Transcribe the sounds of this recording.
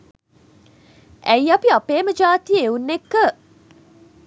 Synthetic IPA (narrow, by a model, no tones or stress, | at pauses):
æjapiapeːməd͡ʒaːt̪ijəeunːekːə